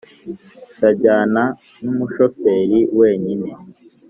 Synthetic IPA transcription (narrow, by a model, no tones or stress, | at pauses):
taɟaːna | numuʃofe̞ːɾiwe̞ːɲine